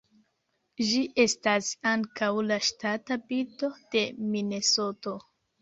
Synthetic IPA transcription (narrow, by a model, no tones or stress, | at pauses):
ʒiʔe̞stasaŋkawlaʃtatabito̞d̥e̞mine̞so̞to̞